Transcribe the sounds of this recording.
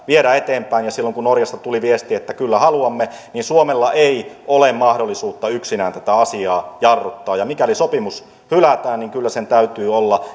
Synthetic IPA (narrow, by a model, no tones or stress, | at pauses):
ʋieɾæet̪eːmpæinjɑsilːoŋkunnorjɑst̪ɑt̪uliʋiest̪iːet̪ːækylːæhɑluɑmːeninsuomelːɑʔei | olemmɑhdolːisuːt̪ːɑyksinæːnt̪æt̪æɑsiɑːjɑrːot̪ːɑːjɑmikælisopimus | hylæt̪æːnniŋkylːæsent̪æyt̪yːolːɑ